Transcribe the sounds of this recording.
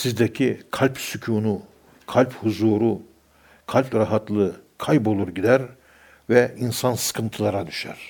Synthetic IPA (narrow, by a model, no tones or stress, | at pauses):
sizd̪ɛcʰikʰalʲpsycʰuːnu | kʰalʲphuzuːɾu | kʰalʲpɾaɦat̪lˠɯkʰajbo̞lˠuɾɟid̪æɾ | vɛinsansɯ̥kʰɯnt̪ʰɯlˠaɾad̪yʃæ̰ɾ̥